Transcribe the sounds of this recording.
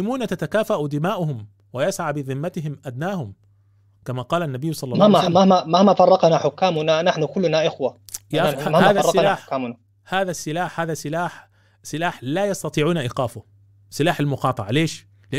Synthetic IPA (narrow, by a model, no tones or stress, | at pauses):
ɪmuːnat̪at̪akaːfaʔud̪ɪmaːʔʊhʊm | wajasʕaːbɪðˤɨmːat̪ɪɦɪmʔad̪naːhʊm | kamaqɑːlanːabijːsˤɑlːɑaamahmamahmafɑrˤːɑqnaħʊkːaːmʊnanaħnʊkʊlːnaʔɪxwajaahaːðˤɑɪlaːʊkːaːmʊna | haːðasːɪlaːħhaːðasɪlaːħ | sɪlaːħlaːjɑst̪ɑt̪ˤiːʕuːnaʔiːqɑːfʊ | sɪlaːħalmʊqɑːt̪ˤɑʕaleːʃ | lɪʔ